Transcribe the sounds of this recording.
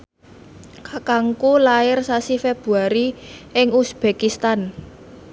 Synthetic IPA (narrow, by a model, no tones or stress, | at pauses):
kakaŋkulaɪrsasifeb̥ṳaɾiʔɪŋusb̥e̤kist̪an